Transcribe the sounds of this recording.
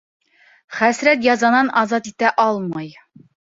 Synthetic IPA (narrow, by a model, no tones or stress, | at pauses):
χæsɾæt̪jɑzɑnɑnʔɑzɑt̪it̪æʔɒlˠmɑj